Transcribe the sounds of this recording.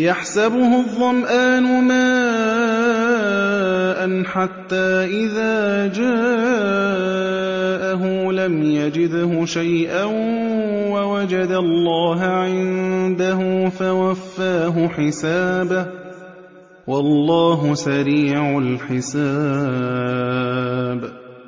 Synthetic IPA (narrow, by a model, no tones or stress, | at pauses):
jaħsabʊhʊðˤːɑmʔaːnʊmaː | ʔanħat̪ːaːʔɪðaːd͡ʒaː | ʔaɦʊlamjad͡ʒɪd̪hʊʃajʔan | wawad͡ʒad̪alˤːɑːɦʕɪnd̪aɦʊfawafːaːɦʊħɪsaːbah | wɑlːɑːɦʊsaɾiːʕalħɪsaː | b